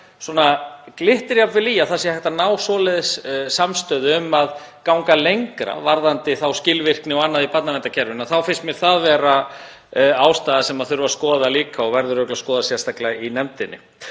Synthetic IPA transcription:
swɔːnaklɪht̪ɪɾjapvɪliːjaθasjɛhɛht̪anaːwsɔlɛðɪsːamst̪œːðɪʏmaðkawŋkalejŋkɾa̰vaɾðant̪ɪθawscɪlvɪr̥knɪɔɣanːaðipat̪navɛnt̪acʰɛɾvʏnaθawfɪnst̪mɛɣθaðvɛːɾa | aːwst̪aːðasɛmaðθʏɾʏvaskɔːðaliːkaɔɣvɛɾðʏɾœklaskɔːðasjɛr̥st̪aklainɛmt̪ɪnːɪ̰

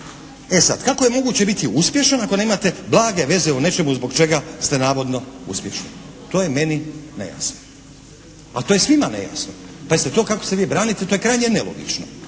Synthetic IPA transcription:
esad̪kako̞je̞mo̞ɡuːt͡ɕe̞bit̪iuspjeʃanako̞ne̞ːmat̪e̞blaːɡe̞ʋe̞zeune̞t͡ʃe̞muzbo̞ɡt͡ʃe̞ɡast̪e̞naːʋo̞d̪no̞ṵspje̞̰ʃni | t̪o̞ːjeme̞nine̞̰ja̰sno̥ | a̰t̪ojesʋimanḛja̰sno | paezit̪et̪o̞ːkako̞̥seʋiːbɾaːnit̪et̪oːjekɾajɲe̞nelo̞̰ɡḭt͡ʃno̰

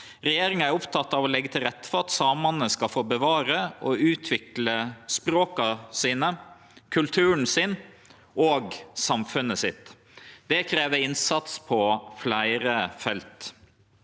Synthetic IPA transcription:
ɾɛjeːɾɪŋəæɾʊpt̪ʰɑt̪ːɑʋɔlɛɡːət̪ʰɪlɾɛt̪ːə̥fɔɾɑt̪sɑːmɑnəskɑfoːbəʋɑːɾəʔɔʉːt̪ʰʋɪkləspɾoːkɑsiːnə | kʰʉlt̪ʰʉːən̩sɪn | ʔoːɡsɑmfʉnəsɪt̪ː | d̪̥ɛkʰɾeːʋəɪnsɑt̪spʰɔflæɪɾəfɛlt̪

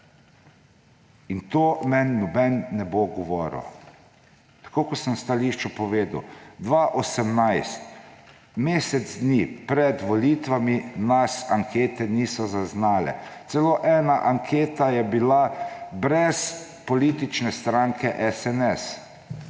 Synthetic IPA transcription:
int̪oːmɛnːɔbɛnːɛboɡɔʋɔːɾo̰ | t̪ḁkoːkɔsəmst̪aliʃt͡ʃɔpɔʋeːd̪wd̪ʋaʔɔsɛmnajst̪ | meːsɛd̪zd̪nipɾɛd̪ʋɔliːt̪ʋaminasaŋkʰeːt̪ɛniːsɔzaznaːlɛ̰t̪sɛloʔɛːnaʔaŋkʰeːt̪ajɛbilabɾɛs | pɔliːt̪it͡ʃnɛst̪ɾaŋkʰɛʔɛsɛnɛs

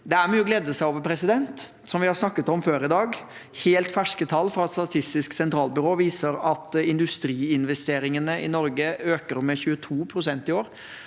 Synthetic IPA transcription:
d̪ɛæɾmyːəɡleːd̪ːəsæɪoːʋəɾpʰɾɛsɪd̪ɛnt̪ | sɔmʋɪhɑɾsnɑkːət̪ɔmføːɾɪd̪ɑːɡ | heːlt̪fæʂkət̪ʰɑlːfɾɑɛt̪st̪ɑt̪ʰɪst̪ɪsksɛnt̪ʰɾɑːlbʏɾoːʋiːsəɾɑt̪ɪnd̪ʉst̪ɾiːɪnʋɛst̪eːɾɪŋənəɪnɔɾɡəøːkəɾmɛçʉːət̪ʰuːpʰɾʊsɛnt̪ɪoːɾ

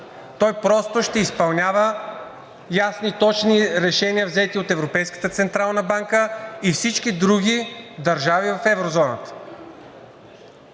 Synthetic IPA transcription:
t̪ɔjpɾɔst̪oʃt̪ɛispɐlˠnʲavə | jasnit̪ɔt͡ʃniɾɛʃɛniəvzɛt̪iot̪ɛvɾopɛjskə̥t̪ət̪sɛnt̪ɾalˠnəbaŋkəifsit͡ʃkid̪ɾuɡʲid̪ɐɾʒavivɐfɛvɾozɔnə̰t̪ə̥

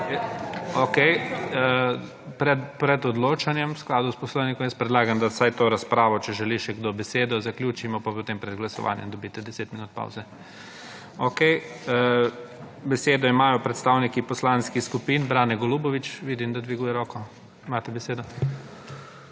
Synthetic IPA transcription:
okɛj | pɾɛpɾɛd̪ɔd̪loːt͡ʃanjɛmsklaːd̪uspɔslɔwnikɔmjɛs̚pɾɛd̪laːɡamd̪asajt̪oːɾaspɾaːʋɔt͡ʃɛʒɛliʃɛɡd̪oːbɛseːd̪ɔzaklʲjuːt͡ʃimɔpapot̪empɾɛd̪ɡlasɔ̰ʋa̰ːnjɛ̰md̪ɔbiːt̪ɛd̪ɛseːt̪minuːt̪̚pa̰wzɛ | okɛj | bɛseːd̪ɔimaːjɔpɾɛt̪st̪aːwnikipɔslanskixskupiːnbɾaːnɛɡɔluːbɔʋit͡ʃʋid̪imd̪ad̪ʋiɡuːjɛɾɔːkɔ | imaːt̪ɛbɛseːd̪ɔ

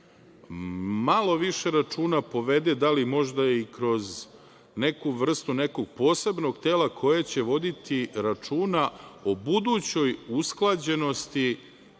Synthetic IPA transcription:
malo̞ʋiʃe̞ɾat͡ʂuːnapo̞ʋe̞d̪e̞d̪alimo̞ʒd̪ajikɾo̞z | ne̞kuʋr̩st̪une̞ko̞ɡ̚po̞ːse̞bno̞ɡt̪e̞ːlakʰo̞jet͡ɕe̞ʋo̞d̪it̪ʰiɾat͡ʂuːnao̞bud̪uːt͡ɕo̞jusklˠad͡ʑe̞no̞st̪i

